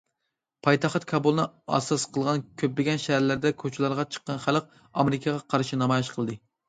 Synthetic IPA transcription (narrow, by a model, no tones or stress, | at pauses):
pʰɑjt̪ʰɑχt̪kʰɑbulˠnɨɑ̰sɑsqʰəlˠʁɑnkʲʰøplɪɡʲɛnʃæhæɾlæɾd̪ɛkʲʰøt͡ʃʰilˠɑɾʁɑt͡ʃʰə̥qːɑnχæləq̚ | ɑmɪɾɪkʰɑʁɑqʰɑɾʃinɑmɑjiʃqʰəlˠd̪ɨ